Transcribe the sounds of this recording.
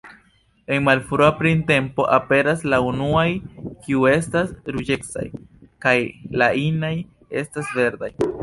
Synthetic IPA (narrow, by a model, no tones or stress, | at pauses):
e̞nmalfɾoapɾinte̞mpo̞ʔape̞ɾaslaunuajkiue̞stasɾud͡ʒeksa̰jkajlainaj | e̞̰stasve̞ɾd̪aj